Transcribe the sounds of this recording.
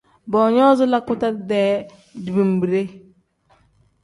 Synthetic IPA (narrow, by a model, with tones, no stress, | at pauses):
bɔ˨ɲɔ˦zu˦la˦ku˦ta˦ɾdɛ˨ | di˨bi˨m˨bi˨ɾe˦